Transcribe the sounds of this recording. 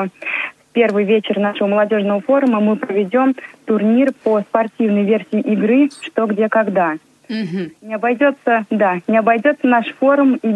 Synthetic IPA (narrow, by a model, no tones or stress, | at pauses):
fpʲe̞rvɨjvʲet͡ɕɪrnaʂəvəməlˠɐdʲo̞ʐnəvəfo̞ɾʊməmɨpɾəvʲɪdʲo̞mt̪ʊrnʲirpəspɐrtʲivnəjvʲersʲiːʔɪɡɾɨʂt̪oɡdʲe̞kɐɡd̪a | nʲɪɐbɐjdʲo̞t̪səd̪anʲɪɐbɐjdʲo̞t̪sənaʂfo̞ɾʊmi